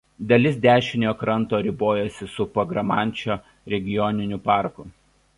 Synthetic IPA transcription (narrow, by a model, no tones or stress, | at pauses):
d̪ɐlʲɪs̬d̪ʲæːʃʲɪnʲoːkɾɐnˑt̪oːɾʲɪboːjɛsʲɪsʊpɐɡɾɐmɑˑnʲˑt͡ʃʲoː | ɾʲɛɡʲɪjɔnʲɪnʲʊpɑˑɾkʊ